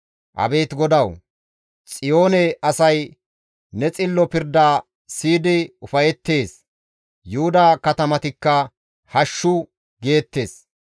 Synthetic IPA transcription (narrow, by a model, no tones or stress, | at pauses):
ʔɐ̰be̞ːt̪ɡɔd̪ɐw | t͡sʼɪjo̞ːnɛɐsɐj | nɛt͡sʼɪlːɔpɪɾd̪aː | siːd̪ɪʊfɐjɛt̪ːe̞ːs | jʊʊd̪aːkɐt̪ɐmɐt̪ɪkːɐ | hɐʃːʊ | ɡe̞ːt̪ːe̞ːs